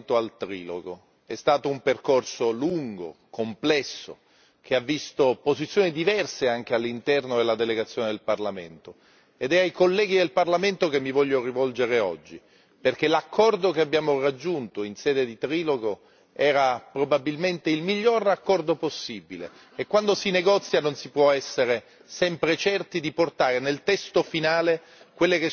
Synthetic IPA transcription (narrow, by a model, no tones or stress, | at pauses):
nt̪oalt̪ɾiːlo̰ɡo | ɛst̪aːt̪oumperkorsoluŋɡo̰kʰomplɛsːo̰ | k̟ʰeavːist̪opozit̪sːjoːnid̪ivɛrseaŋk̟ealːint̪ɛrnod̪elːad̪eleɡat̪sjoːned̪elparlament̪o | ed̪ɛajkolːɛːɡid̪elparlament̪okemːivɔʎːorivɔld͡ʒeɾeɔd͡ʒːi | perkelakʰːɔrd̪okeabjaːmorad͡ʒːunt̪oinsɛːd̪ed̪it̪ɾiːloɡo | ɛːɾapɾobabilment̪eilmiʎːorakːɔrd̪oposːibilḛ | ekːwand̪osineɡɔt̪sːjanonsipwɔɛsːeɾe | sɛmpɾet͡ʃɛrt̪id̪iport̪aːɾenelt̪ɛst̪ofinaːle | kwelːeke